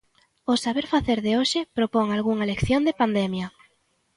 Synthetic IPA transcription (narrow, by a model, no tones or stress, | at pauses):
ʊsaβeɾfaθeɾðeoʃɪpɾopoŋalɣuŋalekθjond̪epand̪ɛmjɐ